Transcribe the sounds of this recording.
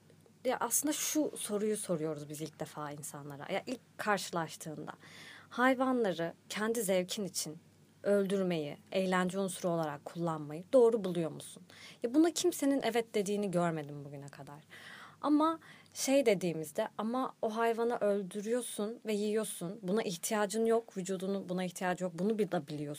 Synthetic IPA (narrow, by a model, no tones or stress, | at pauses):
jaʔaslˠɯnd̪aʃuso̞ɾujuso̞ɾujo̞ɾuzbizilʲc̚d̪efaːinsanlˠaɾa̰ja̰ʔilʲckʰːaɾʃɯlˠaʃt̪ʰɯːnd̪a̰hajvanlˠaɾɯcʰɛnd̪izɛvcʰinit͡ʃʰin | ølʲd̪yɾme̞jḭejlʲænd͡ʒɛunsuɾo̞lˠaɾakʰːulˠːanmajɯd̪o̞ːɾubulˠujo̞musunjabunacʰimse̞ninʔɛvɛt̪̚d̪e̞d̪iːniɟøɾme̞d̪imbuɟynɛkʰad̪aɾ̥amaʃe̞jd̪e̞d̪iːmizd̪ɛamaoɦajvanaʔø̞lʲd̪yɾyjo̞sunvɛjijo̞sunbunaʔiçt̪ʰijaːd͡ʒɯnɯjo̞kvyd͡ʒuːd̪unubunaiçt̪ʰijaːd͡ʒɯjo̞k̚bunubilˠabilʲijo̞